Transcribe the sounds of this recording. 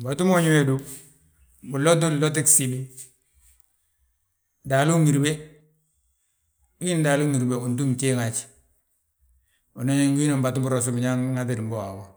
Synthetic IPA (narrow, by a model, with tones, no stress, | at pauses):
mba˨tu˦mo˦ɲu˦we˦du˦ | bu˨lo˦t̬u˦˨lo˦t̬i˦ksi˨bi˦˨ | da˨lu˦ŋi˨ɾbe˦ | u˦i˦n˦da˨lu˦ŋi˨ɾbe˦u˨ntu˦m˨t͡ʃe˦ŋa˨t͡ʃ | o˨no˦ɲe˦ŋɡu˦i˦no˨mba˨tu˦mbu˨ɾo˨s̬u˦bi˨ɲa˦ŋŋa˦ti˦dm˨bo˦wa˨wa˦